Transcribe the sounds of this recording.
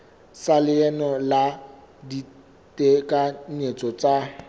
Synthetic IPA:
salɪɛnɔla | di | tʼekʼanet͡sʼɔt͡sʼa

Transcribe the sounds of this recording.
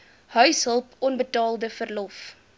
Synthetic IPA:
ɦœɥsɦəlˠpɔnbətɑːlˠdəfərlɔf

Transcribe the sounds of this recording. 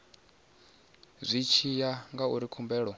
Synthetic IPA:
zʷit͡ʃʰijaŋɡauɾikʰumbɛːɺɔ

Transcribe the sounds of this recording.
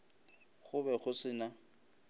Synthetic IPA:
χʊbɛχʊsɪna

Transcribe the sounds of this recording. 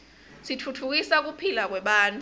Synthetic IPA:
sitʰutʰuk̬isak̬upʰilak̬wɛɓaːntʰʼ

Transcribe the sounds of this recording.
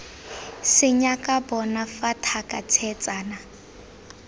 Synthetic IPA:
sɪɲakʼabɔnafatʰakʼat͡sʰɛt͡sʼaːna

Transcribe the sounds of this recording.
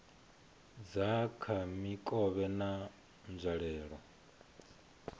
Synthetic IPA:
d͡zakʰamikʼɔβɛna | nd͡ʒʷaɺɛːɺɔ

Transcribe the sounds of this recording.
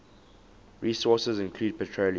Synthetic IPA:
ɹiːsɔˑsəzɪ̃nkʰluːd̚pʰɛtʰɹol

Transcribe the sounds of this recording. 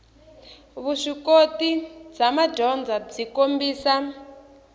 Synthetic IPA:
βuʂikotid͡zamad͡ʒɔnd͡zab͡ʐikombiːsa

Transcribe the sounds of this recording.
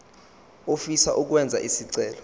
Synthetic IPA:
ofisaʔuk̬wɛnd͡zʱa̰ʔisiǀɛːlɔ

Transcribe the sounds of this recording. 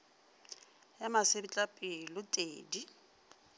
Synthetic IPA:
jamasebɪt͡ɬʼapʼɪlʊtʼeːdi

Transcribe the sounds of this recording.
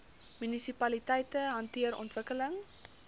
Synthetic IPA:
mynisipɐlitɛjtəɦɐntiəɾɔ̰ntvəkələŋ

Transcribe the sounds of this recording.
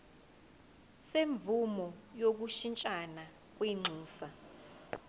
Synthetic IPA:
seɱb̪vumɔjok̬uʃint͡ʃʼana | k̬wiŋ͡ǀʱuːsa

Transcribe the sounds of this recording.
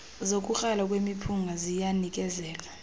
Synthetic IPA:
zok̬ʼuxalak̬ʼwemipʰuŋɡʱazijanik̬ʼɛzɛːla

